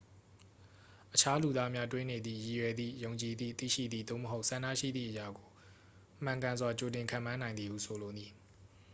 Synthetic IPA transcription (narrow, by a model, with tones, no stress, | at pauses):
ʔət͡ɕʰa˦lu˨d̪a˦mja˦twɪ̃˦ne˨d̪ðḭ˦˨ji˨jɛ˨d̪ðḭ˦˨jõ˨ʊ̃ɲt͡ɕi˨d̪ḭ˦˨t̪ḭ˦˨ʃḭ˦˨d̪ðḭ˦˨d̪o̰˦˨məɦo˦ʊʔsã˨ndä̰˦˨ʃḭ˦˨d̪ðḭ˦˨ʔəja˨ɡo˨ | m̥ã˨ŋkã˨nzwa˨t͡ɕo˨tɪ̃˨ŋkʰã̰˦˨mã˦nã˨ɪ̃nd̪i˨hṵ˨sʰo˨lo˨ni˨